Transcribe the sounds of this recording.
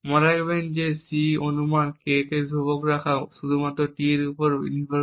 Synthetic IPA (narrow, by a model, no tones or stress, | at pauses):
mɔɾajbajnzesionumankekezʱubɔkɹakʰasud̪ʱumatɹɔtiɾupɔɹḭnibɔ